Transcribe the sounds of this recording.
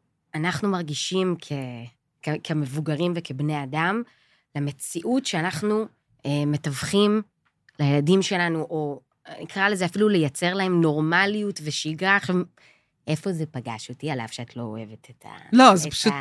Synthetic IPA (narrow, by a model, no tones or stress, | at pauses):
anaχnumaʁɡiʃimkʰe | kekʰeme̞vuɡaʁimvekebne̞jadam | leme̞t͡siʔutʃeanaχnu | eme̞tavχim | lajeladimʃe̞lanuʔo̞ | nikʁale̞zeafilule̞jat͡se̞ʁlae̞mno̞ʁmalijutve̞ʃiɡaχm | ʔe̞fo̞ze̞paɡa̰ʃotiala̰v̥ʃeatlo̞o̰e̞vetʰetʰa̰loazpaʃu